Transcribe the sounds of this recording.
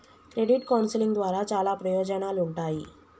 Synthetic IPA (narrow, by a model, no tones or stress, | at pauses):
kɾeɽiʈkawnsliŋɡd̪ʋaɾat͡salapɾəjod͡ʑənaluɳʈai